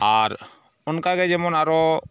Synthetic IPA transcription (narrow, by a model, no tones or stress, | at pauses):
aɾ | ɔnkaɡɛd͡ʒɛmɔnaɾɔ